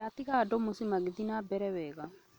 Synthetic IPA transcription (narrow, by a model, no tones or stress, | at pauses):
at̪ikaːdomusimaɡid̪inabɛɾɛwɛɡa